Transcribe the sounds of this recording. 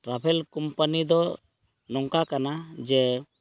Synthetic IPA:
ʈɾabʱɛlkɔmpanid̪ɔ | nɔŋkakanad͡ʒɛ

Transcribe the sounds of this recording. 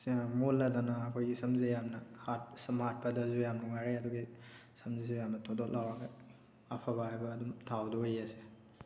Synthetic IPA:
molːɐdanɐːkʰojɡisɐmzejamnɐhatsmaɾt̚pɐdɐzujamnuŋajɾeɐduɡisɐmzizujamnɐtʰodot̚lawɾɐɡɐ | ɐpʰabahajbɐːdumtʰawdojɐse

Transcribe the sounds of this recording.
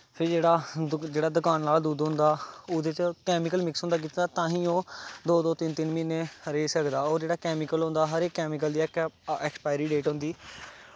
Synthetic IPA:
pʰɪɾd͡ʒeːɽaːd͡ʒeːɽaːd̪ʊkaːnlaːld̪uːd̪ɦʊ̃nd̪aːʊd̪eːt͡ʃkɛːmɪkəlmɪksɦʊ̃nd̪aːk̬ɪt̪ːaːt̪ãːɦĩːoːd̪oːd̪oːt̪ɪnt̪ɪnmɪneːhəɾeːsəkd̪aːoːɾd͡ʒeːɽaːkɛːmɪkəlɦõːnd̪aːɦəɾeːkːɛːmɪk̬əld̪iːɛkɛkspaːjɾiːɖeːʈɦʊ̃nd̪iː

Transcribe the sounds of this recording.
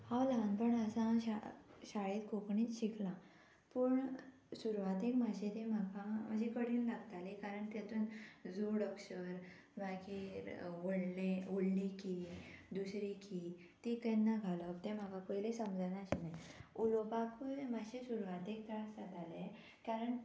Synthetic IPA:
haʋlanpəɳəsãɕaɕaɭet̪kokɳit͡sɕiklã | pəɳ | suɾʋat̪ekmad͡ʑet̪ẽmakaməd͡ʑikəɽinlaɡt̪alikaɾəɳt̪et̪uːnd͡zuɽəkɕəɾ | ʋakiɾəɽleoɽlikid̪usɾiki | t̪ikənːaɡʱaləpt̪em̤akakojlesəmd͡zanaɕinajulobakumaɕesuɾʋat̪ek̚t̪əɾasat̪ale | kaɾəɳ

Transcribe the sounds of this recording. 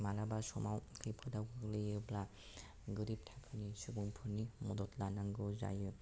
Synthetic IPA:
malabasɔmawkʰɯjpʰɔdawkʰɯɡlɯebla | ɡɯɾip̚tʰapʰɯnisuɡuŋpʰɯnimɔdɔtlanaŋɡɯza̰jɯ

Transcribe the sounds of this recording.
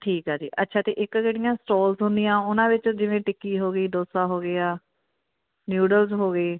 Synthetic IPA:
ʈʰiːkɦaːd͡ʒḭːʔətːʃʰaːt̪ḛːʔɪkd͡ʒeːɽijãːsʈoːlzɦʊ̃nd̪ijãːʊnãːʋɪt͡ʃd͡ʒɪʋẽːʈɪkːiːɦoːɡəiːd̪oːsaːɦoːɡeːaː | njuːɖəlzɦoːɡəiː

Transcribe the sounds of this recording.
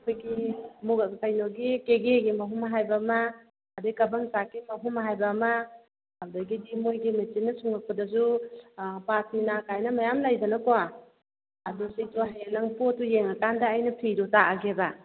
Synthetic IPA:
kʰojɡimukajnoɡikeɡeɡimɐɦumɦajbamɐː | dekɐbɐŋsakimɐɦumɦajbamɐ | awdɐɡidimojɡimit͡ʃinːɐsuŋak̚pɐdɐzu | pasminakajnɐmɐjamlajbɐnɐkowa | ɐdusijtoɦajanɐŋpotːujeŋɐkandɐːjnɐpʰijdɔtaʔaɡeba

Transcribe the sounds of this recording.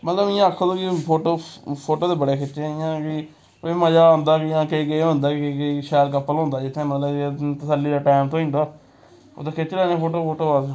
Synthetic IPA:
mət̪ləbɪjãːəkʰːõːd̪õːkipʰoːʈoːpʰoːʈoːd̪eːbəɽeːkʰɪt͡ʃẽɪjãːkɪ | koːiːməd͡ʒaːõːnd̪aːkɪjãːkeikiɦõːnd̪aːkɪkːkeiʃɛːɾkəpːəlɦõːnd̪aːd͡ʒɪt̪ʰːẽːmət̪ləb̃ːt̪əsəlːiːd̪aːʈɛːmt̪õːĩnd̪aː | o̰ːt̪aːkʰet͡ʃlɛːnẽːpʰoːʈoːpʰoːʈoːaː

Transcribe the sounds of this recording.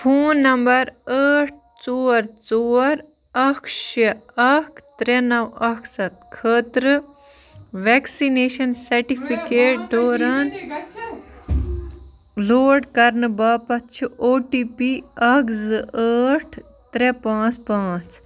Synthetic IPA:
pʰoːnːɐmbɐɾəːʈʰ | t͡soːɾt͡soːɾ | ɐkʰʃɐɐkʰt̪ɾɛnɐwɐksɐt̪kʰəːt̪ɾɨ | ʋeksineːʃɐnsɐɾʈipʰikeːʈ̚ɖoːɾɐn | loːɖkɐɾnɨbaːpɐtt͡ʃʰuʔoːʈipiɐkzɨəːʈʰ | t̪ɾepãːt͡spãːt͡s

